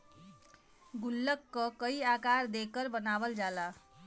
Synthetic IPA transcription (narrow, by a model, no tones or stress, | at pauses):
ɡulːəkːʌkəiakaɾd̪ekəɾbənabəld͡ʒala